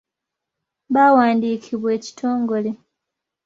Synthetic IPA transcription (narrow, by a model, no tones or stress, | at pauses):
βawaːndiːkʰiβwe̞ːci̥tʰo̞ːŋɡo̞le